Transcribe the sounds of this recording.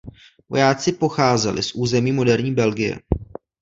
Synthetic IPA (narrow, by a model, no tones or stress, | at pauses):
vo̞̰jaːt͡sɪpo̞xaːzɛlɪ̰sʔuːzɛmiːmo̞dɛɾɲiːbɛlɡɪjɛ̰